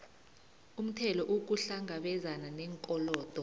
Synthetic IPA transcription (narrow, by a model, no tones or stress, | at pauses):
um̩tʰɛlɔʔuk̬uɬaŋɡaɓɛzananɛŋkʼɔlɔːd̥ʱɔ